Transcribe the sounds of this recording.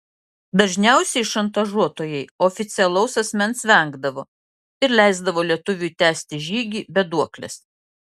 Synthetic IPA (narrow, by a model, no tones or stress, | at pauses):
d̪ɐʒʲnʲæˑʊsʲɛɪʃɐnt̪ɐʒuɔt̪oːjɛɪoːfʲɪt̪sʲɪɛlˠɐʊsɐsʲmʲɛnsʋʲɛˑŋɡd̪ɐʋoː | ɪɾlʲɛɪzd̪ɐʋoːlʲiɛt̪ʊʋʲuːˑt̪ʲæːsʲt̪ʲɪʒʲiːɡʲiːbʲɛd̪uɔklʲɛ̰s